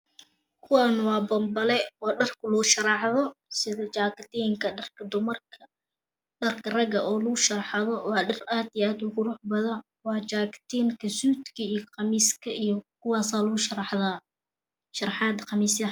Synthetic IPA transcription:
kʰʊwɑːnɐwɑːbɐmbɐlɛɔːɖɐrkʰʊlʊːʃɐɾɑħðɔsɪðɐt͡ʃaːkɐt̪ʰɛjŋkʰɐɖɐrkʰɐd̪ʊmɐrkʰɐ | ɖɐrkʰɐrɐɡɐʔɔːlʊɣʊʃɐɾɑħɑðɔwɑːɖɐraːd̪ijaːd̪ʊɣʊɾʊːħbɐðɐ | wɑːt͡ʃaːkt̪ʰɛŋkʰɐsuːd̪kʰɐijqɑmiːskʰɐijkʰʊwɑːsaːlʊɣʊʃɐɾɑħðaː | ʃɑɾɑħɑːd̪qɑmiːsɐ

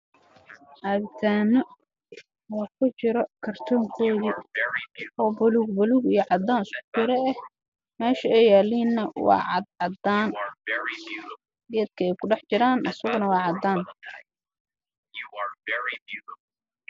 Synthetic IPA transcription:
ʔaːɡt̪ʰaːnɐ | wɑːkʰʊt͡ʃɪɾɔkʰɐrt̪ʰɔːŋkʰɔːði | ɔːbɐluɡbɐluɡijɞʕɑd̪aːnɪskʰʊ̥t͡ʃɪɾɛɛh | mɛːʃɐɛjaːliːnːɐwɑ̰ːʕɑd̪ʕɑd̪aːn | d̪iɐd̪̚kʰɐɛjkʰʊɖɛħt͡ʃɪɾaːnʔɐsɐɣʊnɐwɑːʕɑd̪aːn

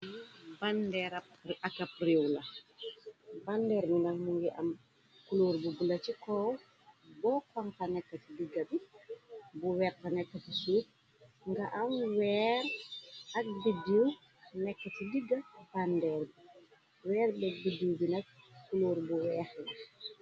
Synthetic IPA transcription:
bandɛɾapakap̚riwla | bandɛɾminaŋnuŋɡɛʔam | kuluɾbubulat͡ʃikɔw | bɔkaŋkanɛkːatidiɡːabi | buwɛrtanɛkːatisu | ŋɡaʔamwɛɾak̚bidiw | nɛkːatidiɡːabandɛɾbi | wɛːɾbɛbidiwbinak̚kːuluɾbuwɛxna

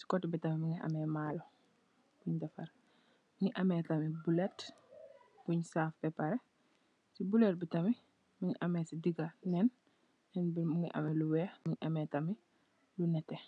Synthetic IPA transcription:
si̥kɔtibitɐmimiŋiʔɐ̰mɛːmaːlɔ | b̥uɲdɐfɐɾ | miŋiʔɐmɛtɐmibulɛt | b̥uɲsaːfpɛpɐɾɛ | sibulɛt̚bitɐmi | miŋiʔɐmɛsidiɡɐnɛn | nɛnbiuŋiʔɐ̰mɛluwɛːmiɲiʔɐmɛːtɐmi | lunɛtːɛ

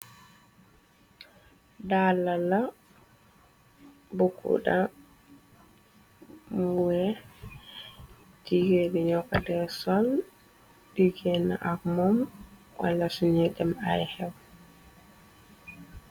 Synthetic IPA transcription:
dalala | bukʰːṵɗa | muwɛ | tiɡeɗiɲɔkːadɛsɔl | diɡɛna̰ʔakmɔm | wa̰lasuɲɛdɛmajhɛw

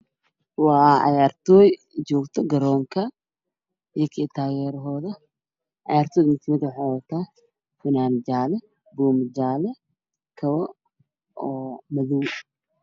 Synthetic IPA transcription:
wɑːʕɑ̰jaːrt̪ʰɔːj | t͡ʃɔːɡt̪ʰɔɡɐɾɔːŋkʰɐ | jɐkʰɛːt̪ʰaːɣɛːɾɦɔːðɐ | ʕɑ̰jaːrt̪ʰɔːjmɪt̪ʰɪmɪd̪wħɑɔt̪ʰaː | fɪnaːnd͡ʒaːlɛ | buːmd͡ʒaːlɛ | kʰɐβɔ | ɔːmɐðuw

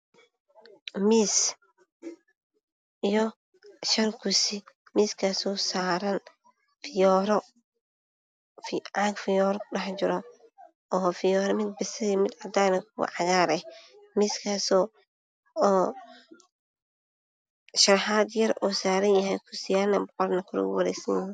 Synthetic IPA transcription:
miːs | ijɔ | ʃɐrkʰʊsɪ | miːskʰaːsɔːsaːɾɐn | fɪjɔːɾɔ | fʕaɡfɪjɔːɾkʰʊɖɐħt͡ʃɪɾɔ | ɔːfɪjɔːɾɔmɪd̪̚bɛsɐðimɪd̪ʕɑd̪aːnɐkʰʊwɑ̰ʕɑɣaːɾɛh | miskʰaːsɔː | ʃɐɾħaːd̪jɐɾʔuːsaːɾɐnjɐhɛjkʰʊsɪjaːnɐbɔqɔrnɐkʰʊɾɔ̰ɣʊ̰wɐɾɛ̰jsɐnɪ

